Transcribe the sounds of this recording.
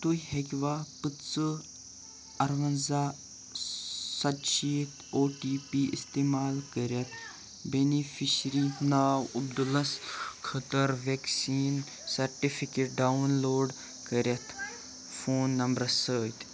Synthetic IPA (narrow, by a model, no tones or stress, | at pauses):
t̪ujhekʲʋaːpɨtt͡sɨ | ɐɾʋɐnzaː | sɐt̪ʃiːt̪ʰoːʈiːpiːist̪eːmaːlkəɾʲjɐt̪ʰ | benifiʃɾinaːwɐb̚d̪ulɐskʰɐt̪ɐɾʋeksiːn | sɐɾʈifikeʈ̚ɖawnloːɖ | kəɾʲjɐt̪ʰ | foːnːɐmbɾɐsəːt̪